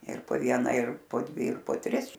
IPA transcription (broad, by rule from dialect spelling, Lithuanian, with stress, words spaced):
ɪr poː ˈʋʲiɛnɐ ɪr poː ˈdʲʋʲɪ ɪr poː ˈtʲrʲɪs